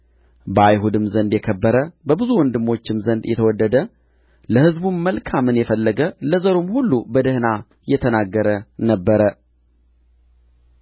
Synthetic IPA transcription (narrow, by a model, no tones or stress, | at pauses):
bəajɦud̪ɨmzənd̪jɛkʰəbːəɾəbəbɨzuwɔnd̪ɨmːo̞t͡ʃːɪmzənd̪jɛ̰t̪ʰəwɔd̪ːəd̪ə | ləhɨzbunməlkʰamɨnjɛfəlːəɡələzəɾomhulːubəd̪əhna | jɛt̪ʰənaɡːəɾənəbːəɾə